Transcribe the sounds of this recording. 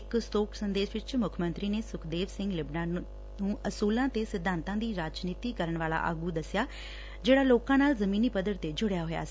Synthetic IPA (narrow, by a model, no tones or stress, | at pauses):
ɪkst̪oːksənd̪eːʃʋɪt͡ʃmʊkʰmə̃nt̪ɾiːneːsʊkʰd̪eːʋsɪ̃ŋɡlɪbnaː | nũːəsuːlãːt̪eːsɪd̪ʱːãːnt̪ãːd̪iːɾaːt͡ʃniːt̪iːkəɾəɳʋaːla̰ːʔa̰ːɡuːd̪əsɪjaː | d͡ʒeːɽaːloːkãːnaːlzəmiːniːpəd̪əɽt̪eːd͡ʒʊɽjaːɦoːja̰ːsi̥ː